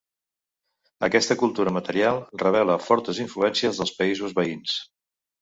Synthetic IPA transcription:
əkɛst̪əkulˠt̪uɾəmət̪əɾialˠrəβ̞ɛləfɔɾt̪əziɱfluɛnsiəzðəlˠspəizuzβəins

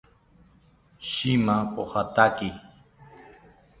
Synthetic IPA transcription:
ʃimapohat̪aki

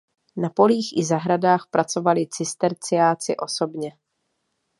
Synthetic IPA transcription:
napo̞liːxʔɪzaɦɾadaːxpɾʔat͡so̞valɪt͡sɪst̪ɛɾt͡sɪjaːt͡sɪʔo̞so̞bɲɛ

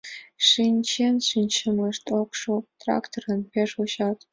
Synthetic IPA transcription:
ʂinʲt͡ɕenʂinʲɕɘ̆mɤ̆ʂt̪okʂut̪rɑ̰kt̪orɤ̆npʲeʂuɕɑt̪

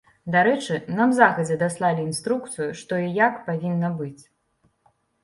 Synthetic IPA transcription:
d̪aɾɛt͡ʂɨnɐmzaxɐd͡zʲɛd̪aslˠalʲiinst̪ɾukt̪sɨjuʂt̪ɔijakpavʲinːɐbɨt͡sʲ

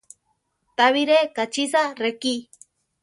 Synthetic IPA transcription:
t̪aβiɾekat͡ʃisareki

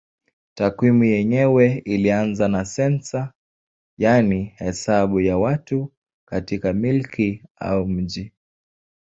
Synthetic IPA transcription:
takwimujɛɲɛwɛilianzanasɛnsa | janihɛsaɓujawatu | katikamilkʰia̰um̩ʄi

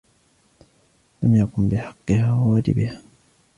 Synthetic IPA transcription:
lamjakʊmbɪħɑqːɨhaːwawaːd͡ʒɪ̰bɪhaː

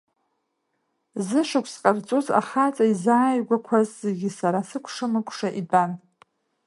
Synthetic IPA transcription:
zɨʂɨkʷʰsqʼart͡sʼuza̰χat͡sʼaizaːjɡʷakʷʰazːeɡʲisaɾasɨkʷʰʂɨmɨkʷʰʼʂaʔiban

